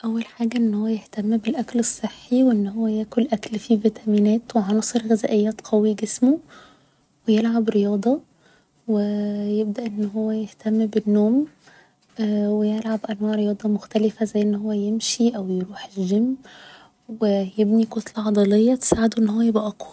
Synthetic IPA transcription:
ʔæwːælħaːɡæʔenːhowːæjeht̪æmːbelʔæklesˤːeħːiweʔenːhowːæjæːkolʔæklfiːvet̪æmiːnæːt̪weʕɑnɑsˤeɾɣezæ̰ːʔejːæːt̪qʰæwiɡesmo | wejelʕabɾejɑːd̪ˤɑ | wejeb̚d̪æʔenːhowːæjeht̪æmːbenːoːm | wejelʕabʔænwæːʕɾejɑːd̪ˤɑmoxt̪ælɪfæzæjːʔenːhowːæjemʃiʔæwjeɾuːħelʒemː | wejebnikot̪lʕɑd̪ˤɑlejːɑt̪e̥saːʕed̪oʔenːhowːæjebʔæʔɑqwɑ

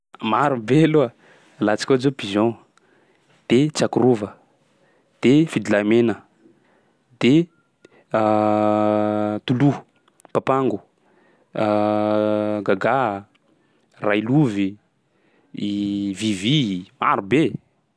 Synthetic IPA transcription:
maɾubeloa | lat͡si̥kʲoazopizɔ̃ | d̪̥et͡sakuɾuvə | d̪̥efid̪ilamenə | d̪̥e | t̪ulu | papaŋɡu | ɡaɡa | rajluvi | vivima̰ɾube

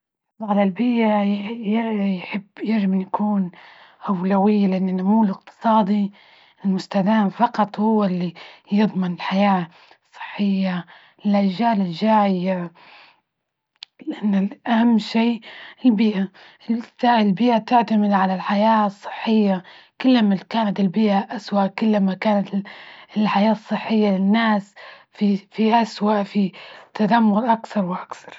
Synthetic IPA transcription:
ʕalalbɪjʔajjħɪbːjɪʒɪmɪnjakʰuːn | ʔawlawɪjːalɪʔanːɪnːʊmuːlɪq̚t̪ʰɨ̥sˤɑːd̪i | ɪlmʊst̪ad̪aːmfɑqɑt̪ˤhʊwːalːijɨðˤmɪnɪlħajaː | sˤːɨ̥ħːɪjːa | ɪlʔad͡ʒaːlɪlʒaːʕɪja | lɪʔanːɪʔahamːʃiːɪlbɪːʔa | t̪aɪlbɪːʔat̪ɪʕt̪amɪd̪ʕalalħajaːsˤːɨ̥ħːɪjːakʊlːmakaːnat̪ɪlbɪːʔaʔaswaʔkʊlːmakaːnat̪ɪlħajaːsˤːɨħːɪjːalɪnːaːsfifiʔaswaʔfit̪ad̪amːʊɾʔakθɑɾˤwɪʔakθɑ̥ɾˤ

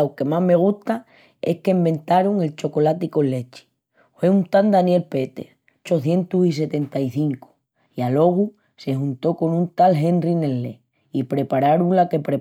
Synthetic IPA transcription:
wke̞maɦme̞ɣ̞uht̪a | e̞hkembẽ̞nt̪aɾuŋe̞lt͡ʃo̞ko̞lat̪iko̞le̞t͡ʃi̥ | fwe̞unt̪and̪anje̞lpe̞t̪e̞̰θ | t͡ʃo̞θje̞nt̪usis̬e̞t̪e̞nt̪aiθiŋko̥ | ialo̞ɣ̞u | se̞hunt̪o̞ko̞nũnt̪alɦe̞nrine̞lːe | ipɾe̞paɾaɾuŋlake̞pɾe

